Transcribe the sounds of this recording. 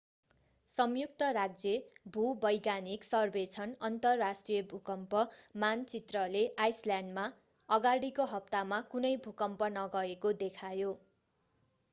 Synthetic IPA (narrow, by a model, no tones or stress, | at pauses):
sʌmjuk̚t̪ʌɾaɡ̚d͡zebʱubʌjɡaniksʌrbet͡sʰʌnʌnt̪ʌrːasʈrijʌbʱukʌmpʌmant͡sit̪rʌleʔajsljanɖma | ʌɡaɽikoɦʌp̚t̪amakunʌjbʱukʌmpʌnʌɡʌekod̪ekʰajo